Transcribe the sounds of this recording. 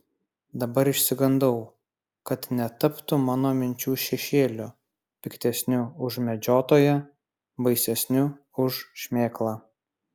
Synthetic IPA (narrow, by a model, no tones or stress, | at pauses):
d̪ɐbɐɾɪʃʲsʲɪɡɐnd̪ɐʊ | kɐt̪nʲɛt̪ɐpt̪ʊmɑːnoːmʲɪnʲt͡ʃʲuːʃʲɛʃʲeːlʲʊ | pʲɪkt̪ʲɛsʲnʲʊʊʒmʲɛd͡ʒʲoːt̪oːjɛ | bɐɪsʲɛsʲnʲʊ | ʊʃʃʲmʲeːklˠɑː